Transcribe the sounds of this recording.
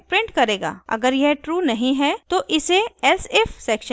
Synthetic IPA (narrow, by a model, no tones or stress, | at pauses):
pɾɪ̃ɳʈkɐɾeːɡa̰ːɐ̰ɡəɾjɛɦʈɾuːnɐɦĩɦɛt̪oʔɪseɛsɛfsɛːkʃə̃